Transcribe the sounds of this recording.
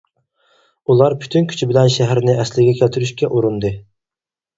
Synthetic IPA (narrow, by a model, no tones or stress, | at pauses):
ulˠɑɾpʰy̥t̪ʰynkʲʰy̥t͡ʃʰibɪlɛnʃɛɦæɾnɪʔɛslɪɡʲɛkʲʰælt̪ʰyɾyʃkʲɛʔuɾund̪ɨ